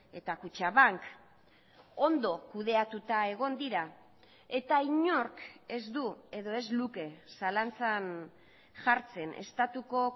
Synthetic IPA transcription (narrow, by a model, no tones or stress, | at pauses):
e̞t̪akut͡ʃaβaŋk | o̞nd̪o̞kuð̞e̞at̪ut̪ae̞ɣ̞o̞nd̪iɾa | e̞t̪aiɲo̞ɾke̞zd̪ue̞ðo̞e̞zluke̞salant͡san | ʝaɾt͡se̞ne̞̰st̪at̪uko̞